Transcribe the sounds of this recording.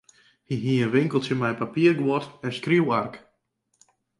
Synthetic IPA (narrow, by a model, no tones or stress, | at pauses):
hiɦiəʋɪŋkəlˠtəmɛjpapiərɡwɔtɛnskriwark